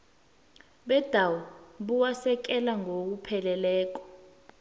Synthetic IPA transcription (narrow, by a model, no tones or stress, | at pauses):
ɓɛd̥ʱawuɓuwasɛk̬ɛlaŋok̬upʰɛlɛlɛːk̬ɔ̥